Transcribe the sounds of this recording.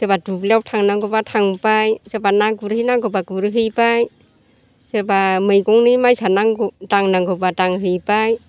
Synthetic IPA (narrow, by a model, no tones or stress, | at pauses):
sebaduplaw̚tʰaŋnaŋɡɯbatʰaŋbajsebanaɡuɾhɯjnaŋɡɯbaɡuɾɯɦɯjbaj | sebamɯjɡɔŋnimajsanaŋɡudaŋnaŋɡɯbadaŋɦɯjbaj